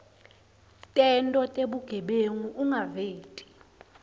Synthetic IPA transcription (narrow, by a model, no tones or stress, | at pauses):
tʼɛntʼɔtʼeɓuɡ̥ʱɛɓeŋuʔuŋaveːtʼi̥